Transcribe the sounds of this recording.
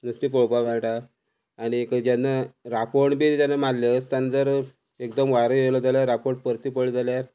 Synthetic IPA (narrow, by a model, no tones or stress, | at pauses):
nəsʈipoɭpaʋãɭʈaː | ñikəd͡ʑjanːaɾapoɳbeɾit̪anːamad̪ljəst̪anːad͡zəɾ | ekd̪əmʋaɾəjewlɔd͡zaljaɾːapoʈ̚pəɾt̪ipəɭd͡zaljaɾ